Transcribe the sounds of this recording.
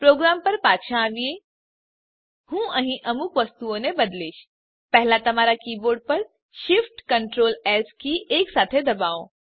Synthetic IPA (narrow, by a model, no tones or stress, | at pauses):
pɾoːɡɾaːmpəɾpaːt̪ʃãʋie | hũəɦĩʔəmukʋəst̪uõnebəd̪liːt͡ʃ | pɛɦlat̪ɐmaːɾakiːboːɾɖ̚pəɾ | ʃɪfʈkəɳʈɾoːlɛːskieːksaːt̪ʰed̪ɐbaːo